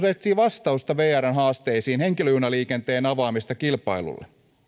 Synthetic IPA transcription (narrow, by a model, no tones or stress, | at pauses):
set̪ːiːʋɑst̪ɑust̪ɑʋeːærɑnɦɑːst̪eisiːnheŋkiløhynɑliːkent̪eːnɑʋɑːmist̪ɑkilpɑ̰ilṵlːḛ